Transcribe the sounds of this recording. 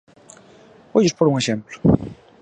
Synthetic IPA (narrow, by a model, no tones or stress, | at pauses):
bojʊspoɾuŋeʃemplʊ̥